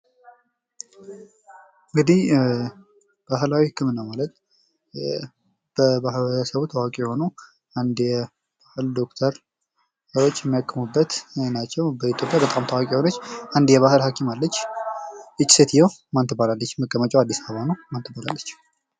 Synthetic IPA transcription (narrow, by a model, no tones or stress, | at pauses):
ɨŋɡɨd̪ih | b̥aɦɨlawihɨkːɨmɨnːamalət̪̚ | b̥əbahɾəsəβut̪ʰawakʼijɛho̞nu | and̪jɛ | b̥ahɨld̪o̞kt̪ʰəɾ | səɾo̞t͡ʃːjɛmːijakːɨmubːət̪nat͡ʃːɛwbəit̪ʰjo̞pʼjabət̪ʼamt̪ʰawakʼiho̞nət͡ʃːʔand̪jɛβahɨlhakʰimalːət͡ʃː | ʔɨt͡ʃʼːset̪ʰijɛwmant̪ʰɨbalalːət͡ʃːməɡʼːəmət͡ʃʼoad̪ːisaβəβanəwmant̪ʰɨbala̰lːət͡ʃː